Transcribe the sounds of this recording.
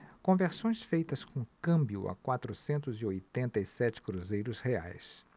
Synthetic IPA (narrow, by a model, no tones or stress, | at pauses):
kõveɾsõj̃sfejt̪ɐskõkɐ̃mbjʊ̰ɐ̰kwat̪ɾʊsẽnt̪ʊziojt̪ẽnt̪ɐisɛt͡ʃɪ̥kɾuzejɾʊshea̰js